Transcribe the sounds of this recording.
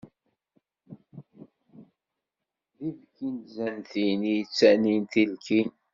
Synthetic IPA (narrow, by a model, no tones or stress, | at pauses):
ðivkinzænθinijt͡sːænint̪ilkin